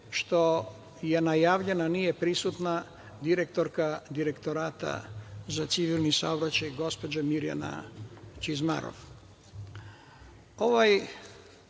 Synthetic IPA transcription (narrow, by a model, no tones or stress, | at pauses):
ʃt̪o̞ | je̞najaːʋʎe̞nanije̞pɾisut̪na | d̪iɾe̞kt̪o̞ɾkad̪iɾe̞kt̪o̞ɾaːt̪a̰zat̪siʋilˠnisa̰obɾat͡ɕajɡo̞spo̞d͡ʑamiɾija̰na̰t͡ʃizma̰ɾo̰ʋ | o̞ʋaj